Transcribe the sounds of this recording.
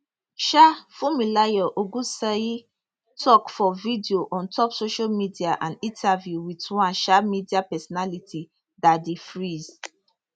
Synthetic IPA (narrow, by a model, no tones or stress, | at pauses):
ʃafumilajɔʔoɡũsɛi | tʰɔkfɔvidioʔɔ̃ntʰɔpsoʃalmidiaʔãnĩntʰavjuwitwãnʃamidiapɛsɔnalitʰi | dadefɹiz̥